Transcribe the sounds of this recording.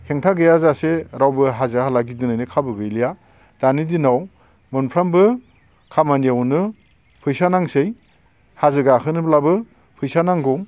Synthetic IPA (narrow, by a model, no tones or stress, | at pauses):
heŋtʰaɡɯjazaseɾawbɯɦazɯhalaɡidɯnajnɯkʰabɯɡɯjlija | d̥anidinaw | mɯnpʰɾambɯ | kʰamanijawnɯ | pʰɯjsanaŋsej | hazɯɡakʰɯnɯblabɯ | pʰɯjsanaŋɡɔŋ